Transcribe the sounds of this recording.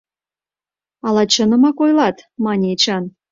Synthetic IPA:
ɑlɑt͡ɕənɤ̆mɑkojlɑt̪mɑnʲet͡ɕɑn

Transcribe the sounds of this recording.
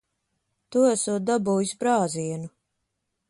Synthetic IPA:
t̪uæsuːt̪̚d̪abuːjisbɾaːziɛnu

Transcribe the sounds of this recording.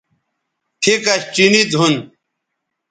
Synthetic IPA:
ʈʰikɐɕt͡ɕinit͡sɦun

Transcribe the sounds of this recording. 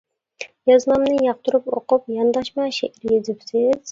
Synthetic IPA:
jɑznɑmnɨjɑq̚t̪ʰʊɾɨpoqʊp̚jɑnd̪ɑʃmɛʃeʔɾjezɪpsɪz̥

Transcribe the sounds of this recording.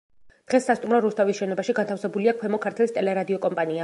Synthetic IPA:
d̪̥ʁɛsːast̪ʼumɾɔɾust̪ʰavisʃɛnɔbaʃiɡant̪ʰafsɛbuliakʰwɛmɔkʰaɾt̪ʰɛlˠist̪ʼɛlɛɾad̪iɔkʼɔmpʼania

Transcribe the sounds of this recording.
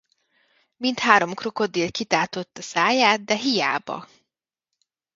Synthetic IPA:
mint̪haːɾo̞mkroko̞d̪ːeːlkit̪aːrt̪o̞t̪ːɒsaːjaːt̪̚d̪ɛɦija̰ːbɒ̰

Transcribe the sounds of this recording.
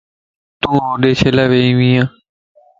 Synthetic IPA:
t̪ũːõːɗeːt͡ʃʰeːlaːʋeːĩːʋĩːãː

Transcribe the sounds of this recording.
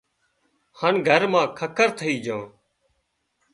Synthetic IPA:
hənɡʱəɾmãːkʰəkəɾt̪ʰəiːd͡ʒãː

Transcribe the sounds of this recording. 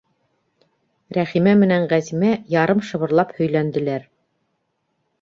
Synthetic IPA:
ɾæχimæmɘ̆næɴʁæzimæjɑɾɤmʃɤ̆βɤ̆ɾlˠɑphɵ̆jlænd̪ɘ̆læɾ

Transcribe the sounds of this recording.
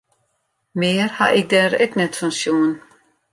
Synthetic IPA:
meːɾha̰ʔɪk̚dɛːɾɛknɛtfɔnsjuːn

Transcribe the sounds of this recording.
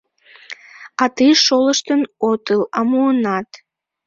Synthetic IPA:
ɑt̪ɨjʃoləʃt̪ənot̪əlɑmuənɑt̪

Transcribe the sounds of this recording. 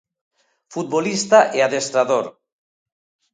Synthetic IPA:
fut̪̚βolist̪aʔeaðest̪ɾaðoɾ

